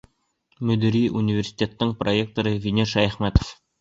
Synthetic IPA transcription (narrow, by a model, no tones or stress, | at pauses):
mɵ̆d̪ɵ̆ɾʲiʔunʲivʲersʲi̥t̪ʲet̪ːɤɴproek̚t̪oɾɤvʲinʲeɾʃæjæχmæt̪o̥f